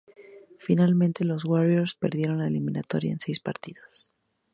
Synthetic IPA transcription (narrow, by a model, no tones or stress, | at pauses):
finalmẽnt̪e̞lo̞zɣwaɾjoɾspe̞ɾðje̞ɾo̞nlaeliminat̪o̞ɾja̰ensejspaɾt̪iðo̥s